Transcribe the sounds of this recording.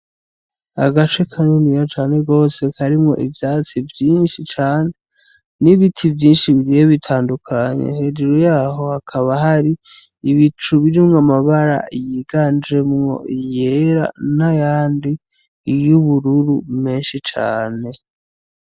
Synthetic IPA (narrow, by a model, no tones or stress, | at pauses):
a̰ɡat͡ʃekʰanonijat͡ʃaːne̞ɡo̞ːse̞kʰaɾimŋo̞̰ʔivjaːt͡sivjiːnʃit͡ʃaːne̞ | niβitʰivjiːnʃiβiɡijeβitʰaːndukʰaɲḛnhe̞d͡ʒuɾojaːɦo̞hakʰaβaɦaɾi | iβit͡ʃuβiɾimŋamaβaɾa̰jiɡaːnɾemŋo̞̰ʔijeɾa̰najaːndi | juβuɾuɾume̞ːnʃit͡ʃa̰ːne̞